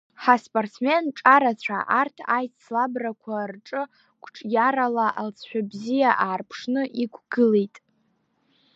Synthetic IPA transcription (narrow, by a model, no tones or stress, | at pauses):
ħaspʼort͡sʰme̞nʈ͡ʂʼaɾat͡ɕʷʰa̰ʔartʰajt͡sʰlabrakʷʰarʈ͡ʂʼɨ | kʷʰʼʈ͡ʂʼjaɾalaʔalt͡sʰʃʷᶣabzijaʔaːrpʰʂnɨʔikʷʰɡ̥ɨlejtʼ